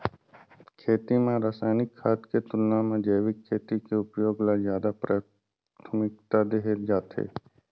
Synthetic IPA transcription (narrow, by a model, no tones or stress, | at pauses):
kʰeːt̪imẽɾaːsaːɪnɪkʰːaːt̪ket̪ʊlnamẽd͡ʒeːʋɪkʰːeːt̪ikeʊpjoːɡlazjaːd̪apɾaː | t̪ʰəmɪk̚t̪ad̪eɦeld͡ʒaːt̪ɦḛː